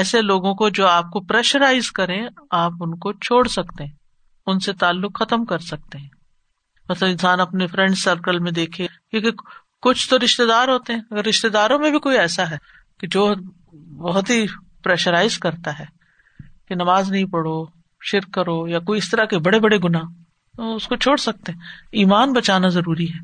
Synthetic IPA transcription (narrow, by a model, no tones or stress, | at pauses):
ɛːseloːɡõkod͡ʒoːaːp̚kopɾɛːʃəɾaːɪzkɐɾẽaːpʊnkot͡ʃʰoːɽsɐkt̪eɦɛ̃ː | ʊnset̪aːlːʊkxɐt̪əmkɐɾsɐk̚t̪eɦɛ̃ː | mɐt̪ləbɪ̃nsaːnɐpnefɾɛ̃ɳɖsəɾkəlmẽd̪eːkʰẽkeke | kʊt͡ʃʰt̪oɾɪʃt̪ed̪aːɾɦoːt̪eɦɛ̃ːɐɡəɾːɪʃt̪ed̪aːɾõmẽbʱikoːiɛːsaɦɛː | ked͡ʒoː | bɐɦʊt̪ɦi | pɾɛːʃəɾaːɪzkɐɾt̪aɦɛː | kenɐmaːznɐɦĩpɐɽo | ʃɪɾkːɐɾojakoːiɪst̪ɐɾakebɐɽebɐɽeɡʊnaː | t̪oʊskot͡ʃʰoːɽsɐk̚t̪eɦɛ̃iːmaːnbɐt͡ʃaːnazɐɾuːɾiɦɛː